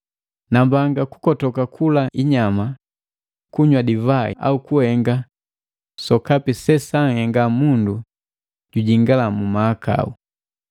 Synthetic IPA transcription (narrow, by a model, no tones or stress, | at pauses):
nambaŋɡaku̥kɔtɔkakʰulaʔiɲama | kuɲwadivaaukuhɛŋɡa | sɔkapisɛsaŋhɛŋɡamundu | ɟuɟiŋɡalamumaːka̰ṵ